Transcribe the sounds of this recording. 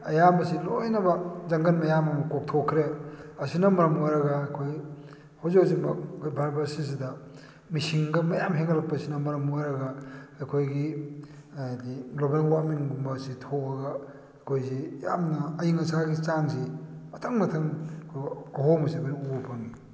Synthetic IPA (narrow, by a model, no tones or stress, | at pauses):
ɐjambɐsilojnɐbɐzɐŋɡɐnmɐjamɐmɐkok̚tʰokʰɾeɐsinɐmɐɾɐmojɾɐɡɐːkʰoj | hawzkz̬imɐkʰojbʱaɾbɐɾsis̬idɐ | misiŋɡɐmɐjamɦeŋɐlɐk̚pɐsinɐmɐɾɐmojɾɐɡɐːjkʰojɡi | dilobeŋwaminɡumbɐsitʰoɐɡa | kʰojzija̰mnɐːjiŋɐsaɡit͡ʃansimɐtʰaŋmɐtʰɐŋkʰɐɦomɐsibaniupʰaŋni